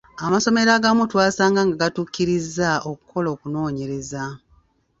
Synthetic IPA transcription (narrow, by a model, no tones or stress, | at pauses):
amaso̞me̞ɾaɡamutwaːsaːŋɡaŋɡaɡatuːkːiɾizːaokukʰːo̞lo̞ːkuno̞ːɲe̞ɾe̞za